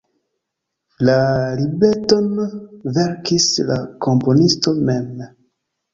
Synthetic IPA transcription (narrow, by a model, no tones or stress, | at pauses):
lalibetonveɾkislako̞mponisto̞mem